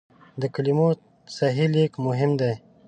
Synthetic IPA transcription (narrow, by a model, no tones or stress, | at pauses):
d̪əkalimo | saɦilekmʊɦɪmd̪aj